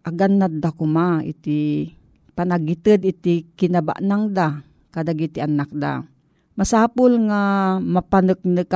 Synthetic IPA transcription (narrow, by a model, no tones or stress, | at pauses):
ʔaɡanːat̪̚dakumaḭt̪i | panaɡit̪əd̪it̪ikɪnaba̰ʔnaŋd̪a | kad̪aɡit̪ianak̚d̪a̰ | masaːpʊlŋamapanək̚nɨk